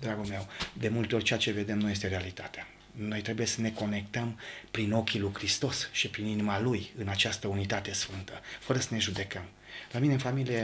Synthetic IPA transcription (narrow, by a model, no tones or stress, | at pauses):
d̪ɾaɡulme̞wd̪e̞mult̪eo̞ɾʲt͡ʃeat͡ʃe̞ve̞d̪e̞mnuje̞s̬t̪e̞ɾealit̪at̪ea | no̞jt̪ɾe̞buje̞səne̞ko̞ne̞kt̪əmpɾino̞kʲilujkɾist̪o̞sʃipɾininimalujɨnat͡ʃast̪əunit̪at̪e̞sfɨnt̪əfəɾəsəne̞ʒud̪e̞kəm | lamineɨnfamilije